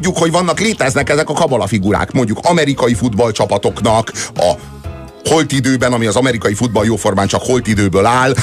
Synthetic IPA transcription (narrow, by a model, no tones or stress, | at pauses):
ɟːukho̞ɟvɒnːɒkleːt̪ɛznɛkɛzɛkɒkɒbolɒfiɡuɾa̰ːkmo̞ɲɟukʰɒmɛɾikɒjifud̪bɒlt͡ʃɒpɒt̪o̞knɒkɒ̰ | holt̪id̪øːbɛnɒmiɒzɒmɛɾikɒjifud̪̚bɒljoːfo̞rmaːnt͡ʃɒkho̞lt̪id̪øːbøːlaːl